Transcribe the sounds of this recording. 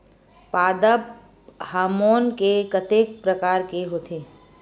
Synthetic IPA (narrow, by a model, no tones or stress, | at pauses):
paːd̪əp | haːmoːnkekət̪eːk̚pɾəkaːɾkeɦoːt̪ʰeː